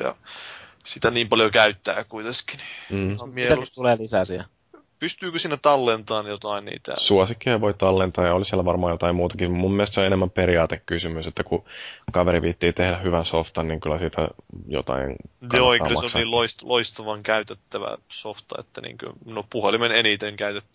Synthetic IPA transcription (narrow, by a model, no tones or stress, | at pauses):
jɑ̰ | sit̪æniːmpɑljokæyt̪ːæ̰ːkuit̪eski̥ni̥m̩ːmiæst̪uleːlisæːsiæ̰ | pyst̪yːkøsinːet̪ɑlːent̪ɑːnjot̪ɑinnḭːt̪æ̰suɑsikːiɑʋoit̪ɑlːent̪ɑːjɑolisiælæʋɑrmɑːjot̪ɑimuːt̪ɑkimumːiɛlest̪seonenemːæmpeɾiɑːt̪ekkysymyset̪ːækukɑʋeɾiʋit̪ːiːt̪ehɾæhyʋænsoft̪ɑnniːŋkylːæsiːt̪æ̰jo̰t̪ɑ̰ḭnjoːeikɑkːmlmɑsniloist̪lʔoist̪ɑʋɑŋkæyt̪et̪ːæʋæ̰soft̪ɑ̰ḛt̪ːænḭːŋkø̰nopuhelimenenit̪eŋkæyt̪et̪ːy̥